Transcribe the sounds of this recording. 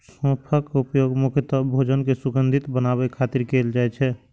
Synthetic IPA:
sɔ̃pʰəkupjoɡmukʰət̪ɔbʱod͡ʒənkesuɡənd̪ʱit̪bənaβɛkʰat̪iɾkeld͡ʒaɛt͡ʃʰɛ

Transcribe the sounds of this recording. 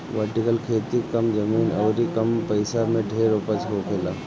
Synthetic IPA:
ʋəɾʈɪkəlkʰeːt̪ikɐmd͡ʒɐmiːnɔːɾikɐmpɐɪsamẽɖʱeːɾoːpəsɦokʰelaː

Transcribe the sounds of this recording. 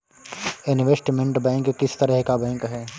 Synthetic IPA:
ɪnʋesʈimẽɳʈbɛ̃ːŋkːɪst̪ɐɾəɦkabɛ̃ːŋkɦɛː

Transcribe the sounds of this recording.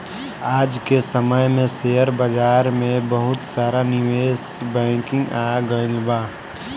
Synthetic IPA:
aːd͡ʒkesəməjmẽsejəɾbəd͡ʒaːɾmẽbəɦʊt̪saːɾanɪʋeːsbɛ̃ːkɪ̃ŋɡaːaɡənbaː

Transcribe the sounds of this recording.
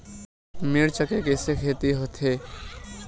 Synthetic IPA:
miɽt͡ʃəkekesekʰet̪iɦot̪ʰe

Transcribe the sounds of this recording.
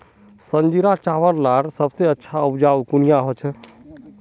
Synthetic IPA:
sənd͡ʒiɾat͡ʃaʋəɾlaɾsəbseətːʃʰaəbd͡ʒaukunijaɦot͡ʃʰ

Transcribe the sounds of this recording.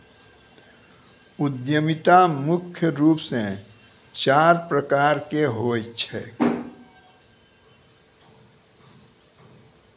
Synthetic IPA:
ʊd̪jəmɪt̪amʊkʰjəɾuːpsẽ | t͡ʃaːɾpɾəkaːɾkeɦoːt͡ʃʰɛː

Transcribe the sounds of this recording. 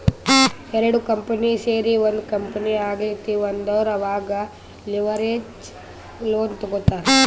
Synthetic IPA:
ɛɾɐɽukɐmpɐniseːɾiond̪ukɐmpɐniaːɡlit̪ːiond̪ɐʋɐɾɐʋaːɡɐ | liʋɐɾed͡ʒ | loːnt̪ɔɡot̪ːaːɾe

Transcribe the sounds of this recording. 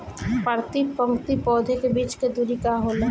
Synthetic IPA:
pəɾt̪ipə̃ŋɡt̪ipɔːd̪ʱekebiːt͡ʃked̪uɾikaɦoːla

